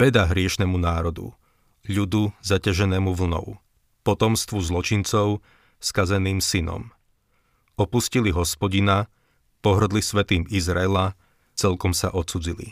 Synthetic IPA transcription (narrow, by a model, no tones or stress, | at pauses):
ʋɛd̪aɦɾɪɛʃnɛmunaːɾɔd̪ṵ | ʎud̪uzacaʒɛnɛːmuʋl̩nɔ̰ʊ | pɔt̪ɔmst̪ʋuzlɔt͡ʃint͡sɔʊ | skazɛniːmsinɔ̰m | ɔpusciliɦɔspɔɟina | pɔɦr̩d̪lisʋɛt̪iːmizɾaɛla | t͡sɛlkɔmsa̰ʔɔt͡sud͡zilḭ